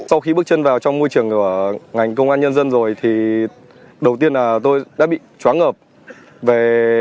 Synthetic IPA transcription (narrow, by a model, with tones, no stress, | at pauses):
sa˧wxi˧ɓk̚t͡ɕə˧nvaː˨˩wt͡ɕɔ˧ŋ͡mmo˧jt͡ɕɨ˨˩əŋku˧˩əŋa˨˩jŋ̟k̬ə˧wŋ͡mʔaː˧nɲə˧nzə˧nzo˨˩jt̪ʰi˨˩ | ɗə˨˩wt̪i˧ənlaː˨˩t̪o˧jɗa̰ː˧˥ɓḭ˧˨t͡ɕwaː˨˦nŋəː˨˩p̚ | ve˨˩